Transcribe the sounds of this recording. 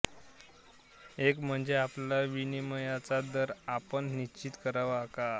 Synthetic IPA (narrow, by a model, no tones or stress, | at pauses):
ekm̤əɳd͡zeaplaʋiniməjat͡sad̪əɾapəɳnit͡ɕiːt̪kəɾaʋaka